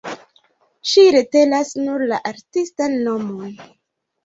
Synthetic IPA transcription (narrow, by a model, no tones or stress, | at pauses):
ʃiɾete̞lasnuɾlaʔaɾtistanːo̞mon